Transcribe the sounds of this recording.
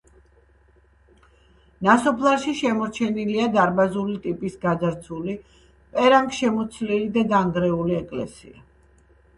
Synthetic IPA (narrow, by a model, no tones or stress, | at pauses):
nasɔpʰlˠaɾʃiʃɛmɔɾt͡ʃʰɛniliad̪aɾbazulit̪ʼipʼisɡad̪aɾt̪sʰuli | pʼɛɾaŋkʼʃɛmɔt̪sʰlilid̪ad̪aŋɡɾɛuliɛkʼlɛ̰sḭa